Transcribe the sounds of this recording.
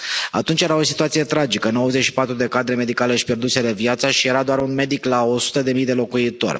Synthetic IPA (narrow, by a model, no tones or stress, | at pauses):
a̰t̪unt͡ʃje̞ɾao̞sit̪uat̪sije̞t̪ɾad͡ʒikənowəzet͡ʃʃipat̪ɾud̪e̞kad̪ɾe̞me̞d̪ikaleʃipje̞rd̪useɾevjat̪saʃije̞ɾad̪oaɾunme̞d̪iklao̞su̥t̪əd̪e̞mijd̪e̞lo̞kuit̪o̞̰rʲ